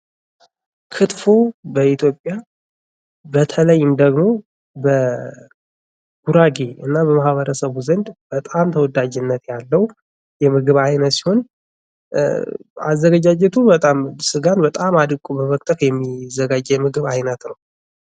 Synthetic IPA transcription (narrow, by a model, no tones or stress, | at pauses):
kʰɨt̪fobəit̪ʰjo̞pʼːja | bət̪ʰələjːɨnd̪əɡmo̞ | bə | ɡ̥uɾaɡe̞ɨ̰nːabəmahβəɾəsəβuzənd̪b̥ət̪ʼamt̪ʰəwɔd̪ad͡ʒɪnːət̪jalːəw | jɛmɨɡɨβajnət̪si̥ho̞n | azːəɡad͡ʒad͡ʒɛt̪ʰubət̪ʼamsɨɡanbət̪ʼamad̪ɨkʼobəmək̚ʼt̪ʼəkjɛmːizəɡad͡ʒːɛjɛmɨɡɨβajnət̪nəw